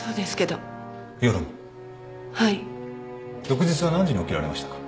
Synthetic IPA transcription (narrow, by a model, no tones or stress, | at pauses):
so̞ːd̪e̞sɨ̥ke̞d̪o̞ | joɾɯm | hai | jo̞kɯ̟d͡ʑit͡sɨβanãɲd͡ʑiɲio̞kʲiɾa̰ɾe̞ma̰ɕi̥t̪ḁkḁ